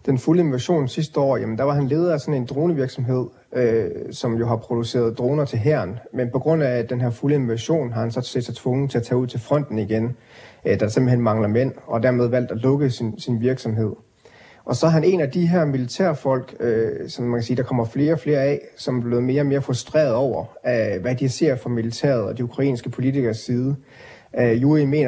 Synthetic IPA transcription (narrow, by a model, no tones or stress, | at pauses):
d̥enfuləe̝nʋæɕo̝̰ːnsisd̥əɒ̰ːjæmənd̥ɑ̈ʋɑ̈ɦænle̝ːð̞ˠɐæsɒ̽ne̝nd̥ʁo̝ːnəʋiɐɡ̥sɒ̽mɦe̝ð̞̰ˠ | øsɒ̽mjo̝ɦɑ̈pʰʁo̝d̥use̝̰ːɐð̞̩ˠd̥ʁo̝ːnɐt͡sʰe̝lɦæɐnmenpʰɒ̽ɡ̥ʁɔ̽n̰æd̥enɦæɐfuləe̝nʋæɕo̝̰ːnɦɑ̈hænsɒ̽sed̥sɑ̈ɪt͡sʰʋɔ̽ŋð̩ˠt͡sʰe̝æt͡sʰɛːuð̞̰ˠt͡sʰe̝lfʁɒ̽n̰d̥n̩iɡ̥en | d̥ɑse̝mb̥l̩ɦenmɑ̈ŋlɐmen̰ɒ̽d̥æɐmeð̞ˠʋæl̰d̥ælɔ̽ɡ̥əsinsinʋiɐɡ̥sɒ̽mɦe̝ð̰ˠ | ʔɒ̽sɒ̽hæɦæne̝næd̥iɦæɐ̰milit͡sʰæɐ̰fɒ̽l̰ɡ̥øsɒ̽mmænkʰæ̥siːd̥ɑ̈kʰɒ̽m̰ɐfle̝ːɐɒ̽fle̝ːɐɛsɒ̽mæb̥le̝ːð̩ˠme̝ːɐɒ̽me̝ːɐfʁusd̥ʁɛ̰ːɐð̞̩ˠɒʊ̰ɐʋæd̥ise̝ɐfʁɑ̈milit͡sʰæ̰ɐð̞̩ˠɒ̽d̥iukʰʁɑ̈ḭːnsɡ̥əpʰo̝lit͡sʰiɡ̥ɐsːiːð̞ˠə | juime̝̰ːnɐ